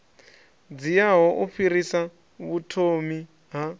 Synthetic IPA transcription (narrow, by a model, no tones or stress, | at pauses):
d͡zijaɦɔʔuɸiɾisa | βutʰomi | ɦa